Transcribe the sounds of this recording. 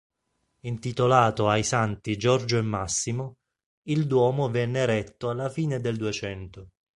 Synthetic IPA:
int̪it̪olaːt̪oajsant̪id͡ʒɔrd͡ʒoemːasːimʊ | ild̪wɔːmʊvɛnːeɾɛt̪ːoalːafiːned̪eld̪uet͡ʃɛnt̪ʊ

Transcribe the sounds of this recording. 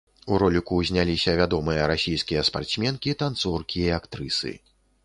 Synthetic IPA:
uɾɔlʲikuzʲnʲalʲisʲɐvʲad̪ɔmɨjɐɾasʲijskʲijɐspa̰rt̪smʲɛnkʲit̪ant̪sɔrkʲiiakt̪ɾɨsɨ̰

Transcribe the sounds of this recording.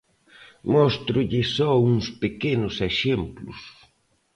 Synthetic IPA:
mɔst̪ɾʊʎɪsɔuŋspekenʊseʃemplʊ̰s

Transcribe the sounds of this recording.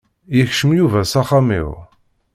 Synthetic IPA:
jəçʃəmjuvæsaχamḭʁ

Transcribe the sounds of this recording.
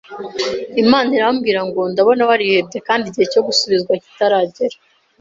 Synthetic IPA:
imaːniɾaβamɡiːɾaŋɡo̞ndaβo̞nawaɾihe̞b̚ɟe̞kaːndiɟihe̞co̞ɡusuβizɡwaci̥taɾaːɟeɾa

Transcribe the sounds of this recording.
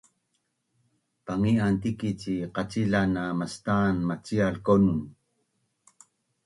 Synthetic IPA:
paŋiant̪ikit͡ɕiqat͡siɮanamast̪anmat͡sialkonun

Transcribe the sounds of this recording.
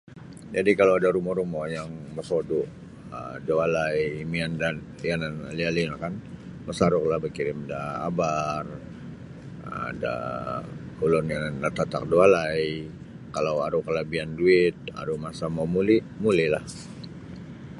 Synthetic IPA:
d͡ʒadikalawadaɾumɔɾumɔjaŋməsodu | ədoalajmiandan | ianana̰lialinakanməsaɾʊklahbəkiɾɪmdaa̰bar | ada̰ | kulɔnjanːat̪at̪a̰k̚dualaj | kalawaɾukəlabianduɪt̪̚a̰ɾumasamamuli | mulila̰h

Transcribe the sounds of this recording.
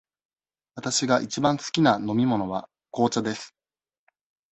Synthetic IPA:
βat̪aɕiɡaʔit͡ɕibãɰ̃sɨ̥kʲinano̞mʲimo̞no̞βa | ko̞ːt͡ɕad̪e̞sɨ̥

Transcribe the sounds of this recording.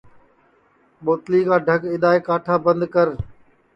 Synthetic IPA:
ɓoːt̪liːkãːɖʱəɡɪɗ̪aːeːkaːʈʰaːbə̃nd̪kəɾ

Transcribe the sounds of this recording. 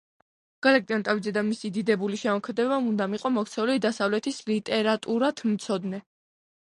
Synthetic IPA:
ɡ̥alak̚t̪ʼiant̪ʼavid̪zɛd̪amisid̪id̪ɛbuliʃɛmɔkʰmɛd̪ɛbaund̪amiqʼɔmɔkt̪sʰɛulid̪asavlɛt̪ʰislit̪ʼɛɾat̪ʼuɾat̪ʰmt̪sʰɔd̪nɛ

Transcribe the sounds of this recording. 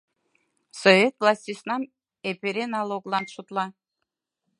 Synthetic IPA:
sovʲet̪vlˠɑsʲt̪ʲisnɑm | epʲeɾʲenɑlˠoɡlˠɑnʃut̪lˠɑ

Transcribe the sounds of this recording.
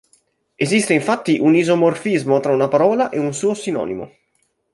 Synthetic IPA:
ezist̪eiɱfat̪ːiʔunizomorfizmot̪ɾaunapaɾɔːlaʔeunsuːosinɔ̰ːnḭmo̰

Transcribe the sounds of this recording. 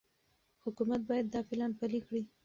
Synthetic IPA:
hʊkumat̪̚bɑjad̪ːɑfɪlɑnpalixɽi

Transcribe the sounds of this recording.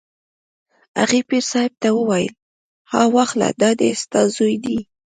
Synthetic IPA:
aɣepiɾsɑɪb̚t̪awəwajə̰l | hɑwaxla̰d̪ɑd̪est̪ɑzojd̪i

